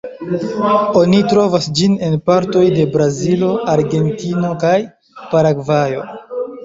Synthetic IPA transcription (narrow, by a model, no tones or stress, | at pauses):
o̞nitɾo̞vasd͡ʒine̞npaɾto̞jde̞bɾazilo̞aɾɡe̞ntino̞kaj | paɾaɡvajo̞